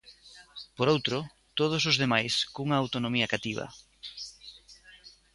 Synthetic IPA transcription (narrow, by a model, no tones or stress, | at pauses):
poɾowt̪ɾʊ | t̪oð̞osozðemajskuŋɐːwt̪onomiɐkat̪iβ̞ɐ̰